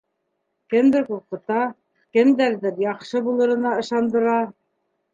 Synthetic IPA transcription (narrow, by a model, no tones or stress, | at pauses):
kɘ̆md̪ɘɾkuɾqɤ̆t̪ɑ | kɘ̆nd̪æɾðɘpjɑqʃɤbulˠɤ̆ɾɤ̆nɑɤ̆ʃɑnd̪ɤ̆ɾɑ